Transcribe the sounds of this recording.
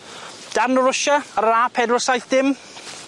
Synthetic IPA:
d̥arnəɾʊʃaɾaːpʰɛdɔsajθdɪm

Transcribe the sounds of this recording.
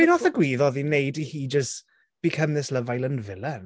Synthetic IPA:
b̥ɪnɔθəɡwiːðɔðinejdihiːd͡ʒəst | b̥ikʰəmðɪsləvajlˠənvɪlˠən

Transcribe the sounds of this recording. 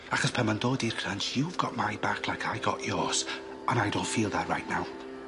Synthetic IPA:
aχɔspʰamandoːdirkʰrənsjuvɡɔʔmajbakʰlˠajkʰajɡɔ̰ʔjɔːs | ənajdõwntfiːlˠðɛrːajʔnaw

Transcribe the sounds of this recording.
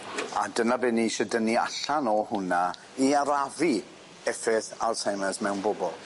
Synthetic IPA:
a̰dənabɪnːiʃədənːia̰ɬanɔhʊna | iaɾavi | ɛfɪθa̰rsajməsmɛwnbɔbɔlˠ

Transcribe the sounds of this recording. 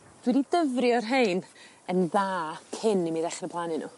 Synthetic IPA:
d̥winidəvrjɔrɦejn | ənðaːkʰɪnimiðɛχrəpʰlˠanɪnṵ

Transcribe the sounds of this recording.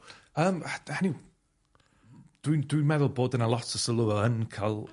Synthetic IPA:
əːmhani | d̥windwinmɛðʊlˠboːdənalˠɔtʰəsəlˠuɔənkʰalˠ

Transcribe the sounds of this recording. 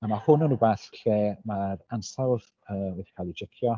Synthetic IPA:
amahʊnənubaːθɬeːmaɾansalˠð | əːwɛdi̥kʰaːlˠid͡ʒɪkʰjɔ

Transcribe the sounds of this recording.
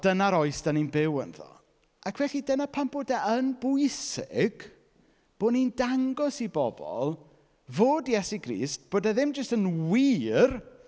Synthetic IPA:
d̥ənaɾɔɨsd̥aninbɪwə̰nðɔ̰ | akʰvɛɬidənapʰamboːdaʔənbʊɨsɪɡ̥ | b̥oːnindaŋɡɔsibɔbɔ̰lˠ | voːdjɛsiɡrḭːst̚b̥oːdaðɪmd͡ʒəstənwiːr

